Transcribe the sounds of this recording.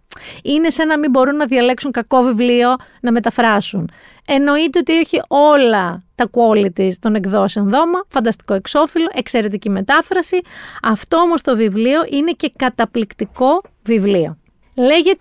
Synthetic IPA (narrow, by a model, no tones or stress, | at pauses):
ine̞senɐmibo̞ɾunːɐðʝɐle̞ksuŋkɐko̞vivlio̞ | nɐme̞t̪ɐfɾɐsun | e̞no̞it̪e̞o̞t̪io̞çio̞lɐt̪ɐkuolit̪ist̪o̞ne̞kðo̞seonðo̞mɐfɐnd̪ɐst̪i̥ko̞e̞kso̞filo̞ʔe̞kse̞ɾe̞t̪̬icime̞t̪ɐfɾɐsiɐft̪o̞omost̪o̞vivlio̞ʔine̞ce̞kɐt̪ɐplikt̪iko̞ | vivlio̞̰ | le̞ʝet̪e